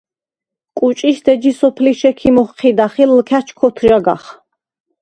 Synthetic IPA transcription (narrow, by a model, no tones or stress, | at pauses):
kʼut͡ʃʼiʃd̪ɛd͡ʒisɔpʰliʃɛkʰimɔχqʰid̪aχilːkʰæt͡ʃʰkʰɔt̪ʰʒaɡa̰χ